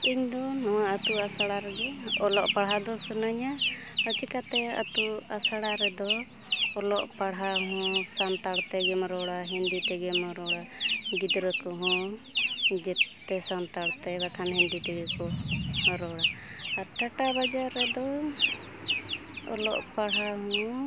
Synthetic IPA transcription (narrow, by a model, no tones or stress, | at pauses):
iɲd̪ɔnɔwaʔat̪uasaɽaɾɛd̪ɔɔlɔʔpaɽɦad̪ɔsɔnaɲa | ət͡ʃikat̪ɛa̰t̪uasaɽaɾɛd̪ɔː | lɔʔpaɽɦaɦɔ̃sant̪aɽt̪ɛɡɛmɾɔɽaɦind̪it̪ɛɡɛmɔɾɔɽa | ɡid̪ɾɔkɔɦɔ̃ | d͡ʒɛ | ɛsant̪aɽt̪ɛbakʰanɦind̪it̪ɛɡɛkɔɾɔɽaː | ɾt̪aʈabad͡ʒaɾːɛd̪ɔ | ɔ̰lɔ̰ʔpaɽɦaɦũ